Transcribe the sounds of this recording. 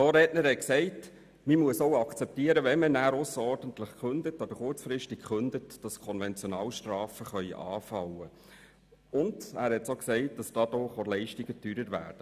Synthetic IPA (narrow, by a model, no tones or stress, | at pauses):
oːɾɛtnəɾhɛt̚ksɛɪt | mimuəsowɑkt͡sɛp̚tiəɾəʋɛnmənæːɾʊsəɾɔɾd̥əntləχkχʏndətɑbəɾχʊɾt͡sfɾɪʃtɪkχʏndətd̥ɑskʰɔnvɛnt͡sjɔnɑːlʃtɾɑːfəχœʏʔɑːfɑwə | ʊndæːɾhɛtsoksɛɪt̚d̥ɑsd̥ɑːd̥ɔχolɛɪʃtiɡ̥ətyːɾəɾʋæ̰ːɾd̥ə